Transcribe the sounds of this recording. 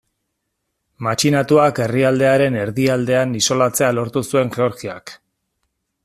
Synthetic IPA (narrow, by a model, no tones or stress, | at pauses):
mat͡ʃinat̪uake̞riald̪e̞aɾe̞ne̞ɾðiald̪e̞aniso̞lat͡se̞alo̞ɾt̪usue̞ŋʝe̞o̞ɾɣia̰k